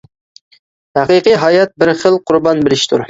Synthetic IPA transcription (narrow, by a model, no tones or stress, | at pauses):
hæqiqijɦɑjɛt̪̚bɪɾχəlˠqʰʊɾbɑnbɪlɪʃt̪ʰuɾ